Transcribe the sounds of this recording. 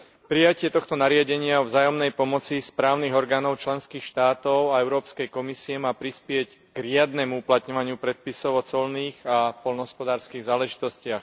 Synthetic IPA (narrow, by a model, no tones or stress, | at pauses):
pɾijacɪɛt̪ɔxt̪ɔnaɾɪaɟɛɲɪaɔvzaːjɔmnɛjpɔmɔt͡sispɾaːʊniɣɔɾɡaːnɔʊt͡ʃlɛnskiːxʃt̪aːt̪ɔʊaɛʊɾɔːpskɛjkɔmisiɛmaːpɾispɪɛcɡɾɪad̪nɛmuuplat̪ɲɔʋaɲɪupɾɛt̪̚pisɔʊɔt͡sɔlniːɣapɔlnɦɔspɔd̪aːɾskiɣzaːlɛʒit̪ɔscɪax